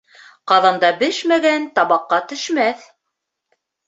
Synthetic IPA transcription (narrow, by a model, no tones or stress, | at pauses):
qɑðɑnd̪ɑbɘʃmæɡænt̪ɑβɑqːɑt̪ɵ̆ʃmæθ